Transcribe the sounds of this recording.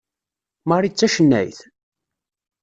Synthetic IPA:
məɾˤit͡sːæʃənːæ̰jθ

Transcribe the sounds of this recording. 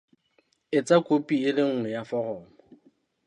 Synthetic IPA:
ɪt͡sʼakʼopʼiɪlɪŋ̩ŋɛjafɔrɔːmɔ

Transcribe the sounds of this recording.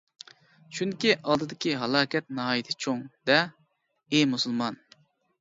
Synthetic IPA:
t͡ʃʰyŋkʲiʔɑlˠd̪ɨd̪ɪkʲiɦɑlˠɑːkʲɛt̪̚nɨɦɑːjit̪ʰɪ̥t͡ʃʰoŋd̪ɛ | emusulˠmɑn

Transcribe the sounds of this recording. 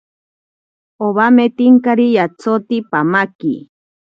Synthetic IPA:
oβamet̪iŋkaɾijat͡sʰot̪ipamaki

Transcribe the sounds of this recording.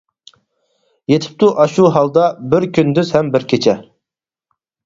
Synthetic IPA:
jet̪ʰɪ̥p̚t̪uʔɑʃuɦɑlˠd̪ɑbɪɾkʲynd̪yzhɛmbɪɾkʲʰet͡ʃʰɛ

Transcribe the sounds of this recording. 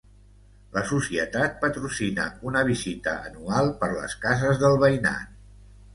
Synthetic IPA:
ləsusiət̪at̪̚pət̪ɾusinə̰unəβ̞izit̪ə̰ːnualˠpəɾlə̰skazəzðəlˠβəina̰n

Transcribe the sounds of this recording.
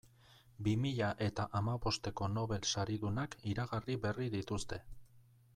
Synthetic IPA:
bimiʎaʔe̞t̪aʔamaβo̞st̪e̞ko̞no̞βe̞lsaɾiðunakiɾaɣariβe̞riðit̪ust̪e̞

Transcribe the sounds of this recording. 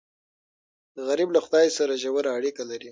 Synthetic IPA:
ɣaɾiblaxʊd̪ɑjsaɾaʒawaɾaːɽikalaɾi

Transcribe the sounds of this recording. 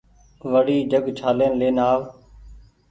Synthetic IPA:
ʋəɽiːd͡ʒəɡt͡ʃʰaːleːnleːnaːʋ

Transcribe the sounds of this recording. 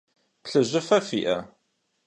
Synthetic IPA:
pɬəʒːəfæfiʔæ

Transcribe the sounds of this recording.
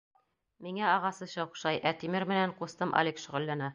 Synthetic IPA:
miŋæɑʁɑsɤɕɑuχʃɑjʔæt̪imɘɾmɘ̆næɴqust̪ɤmʔɑ̰lʲekʃŏʁɘ̆lːænæ

